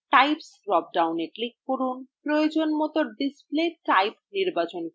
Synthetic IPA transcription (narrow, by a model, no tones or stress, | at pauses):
ʈajpsɾɔp̚ɖawneklikːoɾunpɾojod͡ʑonmot̪oɾɖispleʈajpniɾbat͡ɕon